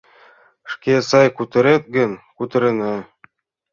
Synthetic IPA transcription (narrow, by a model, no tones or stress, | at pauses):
ʃkesɑjkʉt̪ɘ̆ɾɘt̪̚ɡɘ̆nkʉt̪ɘ̆ɾɘ̆nɤ